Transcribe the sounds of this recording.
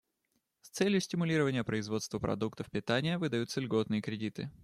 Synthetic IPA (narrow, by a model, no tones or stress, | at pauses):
st̪sɛlʲjʊsʲtʲɪmʊlʲiɾəvənʲɪjəpɾəɪzvo̞t̪st̪vəpɾɐ̰d̪ukt̪əfpʲɪt̪anʲɪjəvɨd̪ɐjut̪səlʲɡo̞t̪nɨjəkɾʲɪdʲit̪ɨ̰